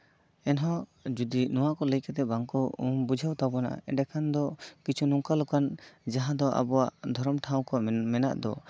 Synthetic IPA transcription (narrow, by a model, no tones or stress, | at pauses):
ɛnɦɔ̃d͡ʒud̪inɔwaʔkɔləjkɛt̪ɛbaŋkɔṵmbud͡ʒʱawt̪abɔna̰ʔa̰ɛɖɛkʰand̪ɔkit͡ʃʰunuŋkalukand͡ʒaɦãd̪ɔʔa̰bɔwaʔd̪ʱɔɾɔmʈʰaw̃kɔmɛna̰ʔd̪ɔ̰